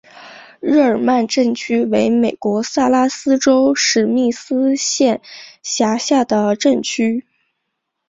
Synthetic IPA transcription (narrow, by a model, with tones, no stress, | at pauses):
ɻɻ̩˥˩ə˞˨˩ma˥˧nʈ͡ʂə˥˩nt͡ɕʰy˥we˧˥ɪme˨˩ɪkwɔ˧˥sa˥˩la˥sɹ̩˥ʈ͡ʂo˥ʊʂɻ̩˥˧˩mi˥˩sɹ̩˥ɕjɛ˥˩nɕja˧˥ɕja˥˩d̪ə˩ʈ͡ʂə˥˩nt͡ɕʰy˥